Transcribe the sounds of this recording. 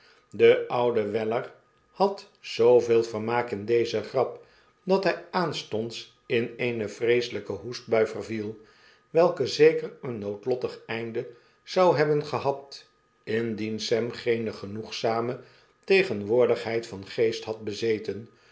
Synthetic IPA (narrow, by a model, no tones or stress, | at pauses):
dəʔʌwdəʋɛlər | hɑt | z̥owveːlˠvəɹmaːkɪndejzəχrɑp | dɑtɦɛjaːnstɔnts | ɪnejnəvrejsələkəɦusd̚bœɥvərvilˠ | ʋɛlˠkəzejkərənːowtlɔtəχɛjndə | z̥ɑwɦɛbənχəɦɑt | ɪndinsɛmχejnəχənuχsaːmə | tejχənʋʊːɹdəχɦɛjtfɑnχejstɦɑt̚bəzejtən